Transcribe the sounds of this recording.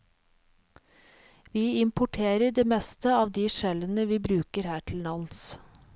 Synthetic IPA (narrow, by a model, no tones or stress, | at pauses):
ʋiːɪmpʊʈʰeːɾəɖeːmɛst̪əɑːʋd̪iːʃɛlənəʋiːbɾʉːkəɾhæːʈʰl̩nɑns